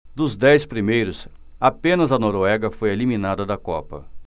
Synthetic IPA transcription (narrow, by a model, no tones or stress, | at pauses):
d̪ʊzd̪ɛjspɾimejɾʊs | apẽnɐzɐnoɾoɛɡɐfojelimĩnad̪ɐd̪ɐkɔ̰pɐ̰